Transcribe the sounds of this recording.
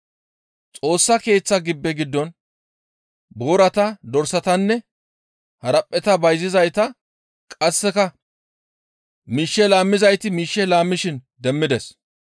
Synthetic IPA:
t͡sʼo̞ːsːɐke̞ːt͡sːɐɡɪbːɛɡɪd̪ːɔn | boːɾɐt̪ɐd̪ɔɾsɐt̪ɐnːɛ | hɐɾɐpʼːɛt̪ɐbɐjzɪzɐjt̪ɐ | kʼɐsːɛkɐ | miːʃːɛlaːmːɪzɐjt̪ɪmiːʃːɛlaːmːɪʃɪn | d̪ɛmːɪd̪ɛs

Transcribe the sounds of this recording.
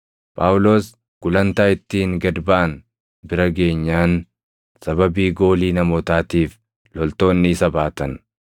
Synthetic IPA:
pʼaːwʊlo̞ːs | ɡ̥ʊlɐnt̪aːɪt̪ːiːŋɡɐd̪baːn | bɪɾɐɡe̞ːɲːaːn | sɐbɐbiːɡo̞ːliːnɐmoːt̪aːt̪iːf | lɔlt̪o̞ːnːɪsɐbaːt̪ɐn

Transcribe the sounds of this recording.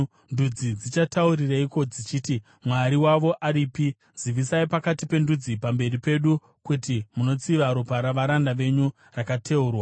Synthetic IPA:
ndud͡zid͡zit͡ʃatauɾiraiko̞d͡zit͡ʃiti | mwaɾiwaʋo̞ʔaɾiːpi | z̥iʋisaipakatipe̞ndud͡zipambe̞ripe̞ɗu | kutimuno̞t͡siʋaɾopaɾaʋaɾandaʋe̞ɲu | rakatʰe̞uːrwa

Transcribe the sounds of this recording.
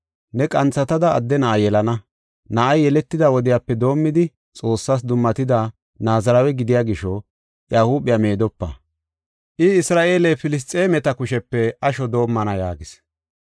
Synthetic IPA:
nɛkʼɐnt͡sːɐt̪ɐd̪ɐːd̪ːɛnɐʔɐjɛlɐnɐ | nɐʔɐjːɛlɛt̪ːɪd̪ɐwɔd̪ɪjapːɛd̪o̞ːmːɪd̪ɪ | t͡sʼo̞ːsːaːs̬d̪ʊmːɐt̪ɪd̪a | naːzɐɾɐwɛɡɪd̪ɪjaːɡɪʃɔ | jaːhuːbɪjame̞ːd̪ɔpːɐ̰ | ʔɪɪsɾaːʔe̞ːlefɪlɪs̬t̪ʼeːmɛt̪ɐkʊʃɛpːɛɐʃɔd̪o̞ːmːɐnɐjaːɡɪs

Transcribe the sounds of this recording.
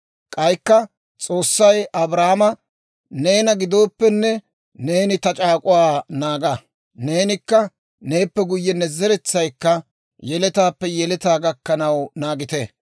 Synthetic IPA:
kʼɐjkːɐ | t͡sʼo̞ːsːɐjʔɐbɾaːmɐ | ne̞ːnɐɡɪd̪o̞ːpːɛnːɛ | ne̞ːnɪt̪ɐt͡ʃʼaːkʼʊwaːnaːɡa | ne̞ːnɪkːɐ | ne̞ːpːɛɡʊjːɛnɛzɛɾɛt͡sːɐjkːɐ | jɛlɛt̪aːpːɛjɛlɛt̪aːɡɐkːɐnɐwnaːɡɪt̪e

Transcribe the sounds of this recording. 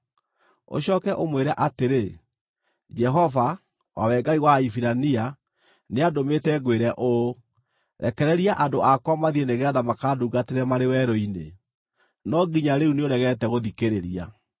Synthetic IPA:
o̰ɕɔːkɛʔomweɾaʔateɾe | d͡ʒɛɦɔva | wa̰wɛɡaiwaifiɾania | neadometɛɡweɾɛʔo | ɾɛ̰kɛɾɛɾiaʔadoʔakwamaðieneɣɛðamakaduːɡateɾɛmaɾewɛɾɔine | nɔɡiɲaɾeuneoɾɛɣɛtɛɣoðikeɾeɾia̰

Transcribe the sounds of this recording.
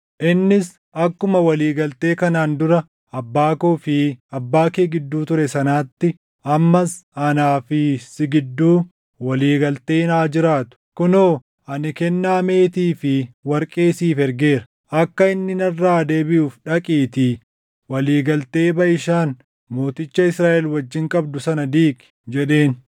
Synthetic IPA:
ʔɪnːɪs | ɐkːʊmɐwɐliːɡɐlt̪e̞ːkɐnaːnd̪ʊɾɐ | ɐbːaːkoːfɪɐbːaːkeːɡɪd̪ːuːt̪ʊɾɛsɐnaːt̪ːɪ | ʔɐmːɐsɐnaːfɪsɪɡɪd̪ːuː | wɐliːɡɐlt̪e̞ːnaːd͡ʒɪɾaːt̪ʊ̥kʊnoː | ʔɐnɪkɛnːaːme̞ːt̪iːfɪwɐɾkʼe̞ːsiːfɛɾɡe̞ːɾɐ̥ | ʔɐkːɐɪnːɪnɐrːaːd̪e̞ːbɪʔuːfᶑɐkʼiːt̪ɪ | wɐliːɡɐlt̪e̞ːbɐʔɪʃaːn | mo̞ːt̪ɪt͡ʃːɐɪsɾaːʔɛlwɐd͡ʒːɪŋkʼɐbd̪ʊsɐnɐd̪iːkɪ̥ | d͡ʒɛᶑe̞ːn

